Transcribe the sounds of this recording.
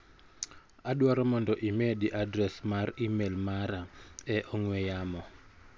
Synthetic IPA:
aɗwaɾɔmɔndɔʔimeɗiʔadrɛsmarimelmaɾaɛʔɔŋwɛjaːmɔ

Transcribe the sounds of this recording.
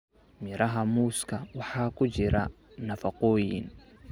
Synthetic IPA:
mɪɾɐɦɐmuːskʰɐwɑħɑːkʰʊt͡ʃɪɾɐ | nɐfɑqɔːjɪ̰n

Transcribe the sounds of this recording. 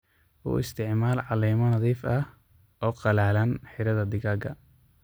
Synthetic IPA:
ʔṵːɪ̰st̪ʰɪʕmaːlʕɑliːmɐnɐðiːfɐh | ʔɔːqɑlaːlɐnħɪɾɐðɐd̪ɪɣaːɡɐ̰

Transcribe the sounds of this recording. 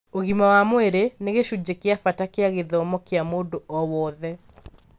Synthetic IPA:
oɣimawamweɾeneɣeʃud͡ʑekeafatakeaɣeðɔmɔkeamoːdoɔwɔːðɛ

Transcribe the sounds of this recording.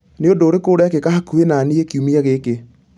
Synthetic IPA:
neodoːɾekoːɾeakekahakuenaniekiumiaɣeke

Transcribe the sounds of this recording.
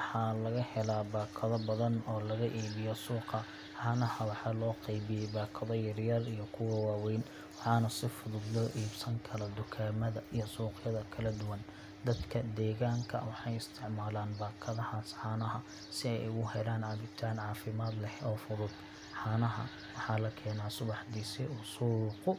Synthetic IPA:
wħɑlɐɣɐhɛlaːbaːkʰɐðɐbɐðɐnɔːlɐɣɐʔiːβɪjɔsuːqɐ | ħɑːnɐhɐwɑħɑːlɔːqejβɪjɛjbaːkʰɐðɔjɐrjɐrijɞkʰʊwɐwɑːwɛjn | wɑħɑːnɐsɪfʊðʊd̪lɔːʔiːbsɐŋkʰɐlɐd̪ʊkʰaːmɐðɐʔijɞsuːqjɐðɐkʰɐlɐd̪ʊwɐn | d̪ɐd̪kʰɐd̪ɛːɣaːŋkʰɐ̰wɑħɑjɪst̪ʰɪʕmaːlaːnbaːkʰɐðɐhaːsħɑːnɐɦɐ | sɪɛjʔɪɣʊhɛlaːnʕɑβɪt̪ʰaːnʕɑːfɪmaːd̪lɛhɔːfʊðʊd̪ | ħɑːnɐɦɐ̰ | wɑħɑːlɐkʰɛːnaːsʊβɑħd̪iːsɪʊsuːɾqʊ

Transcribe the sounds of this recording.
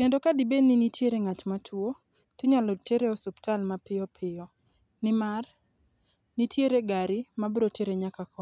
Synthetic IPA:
kendokadɪbeninitjeɾeŋat͡ʃmatʰwo | tɪɲalɔteɾeɔsʊptalmapɪɔpʰɪjɔ | nɪmar | nitjeɾeɡaɾɪmabɾoteɾeɲakakɔ

